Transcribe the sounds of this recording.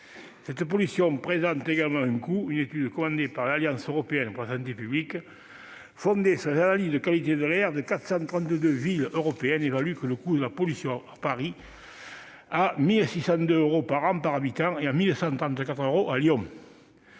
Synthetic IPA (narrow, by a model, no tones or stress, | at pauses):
sɛt̪əp̬ɔlysjɔ̃pχezɑ̃nt̪eɡaləmɑ̃ɛ̃ŋkuynet̪yd̪əkɔmɑ̃nd̪epaʁlaljɑ̃søʁɔpeɛnəpɔʁlasɑ̃nt̪epyblik | fɔ̃nd̪esyʁlezanalizd̪əkalit̪ed̪əlɛʁd̪əkat̪χə̥sɑ̃t̪ʁɑ̃nt̪əd̪øviløʁɔpeɛnevalykələkud̪əlapɔlysjɔ̃apaʁi | amilsisɑ̃nd̪øøʁopaʁɑ̃paʁabit̪ɑ̃ŋeamilsɑ̃t̪χɑ̃nt̪əkat̪χøʁoʔaljɔ̃